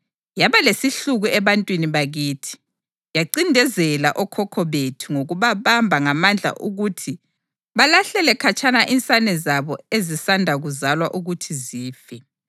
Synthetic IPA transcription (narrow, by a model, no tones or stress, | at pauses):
jaβalesiɬuɣuɛβantʼwiniβaɣiːtʰi̥ | jaǀindʱɛzɛlaʔɔkʰɔkʰɔβetʰuŋoɣuβaβambʱaŋamand͡ɮʱa̰ʔuɣutʰi | βalaɬɛlɛkʰat͡ʃʰʼanaʔint͡sʼanɛzaβɔezisandʱaɣuzalwaʔuɣutʰiziːfɛ